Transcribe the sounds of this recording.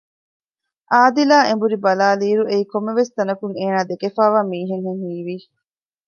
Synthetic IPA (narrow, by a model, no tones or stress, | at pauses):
ʔaːd̪ilaːembuɾibɐlaːliːɾuʔeikomːeʋest̪ɐnɐkuŋeːnaːd̪ekefaːʋaːmiːɦeŋɦeŋhiːʋi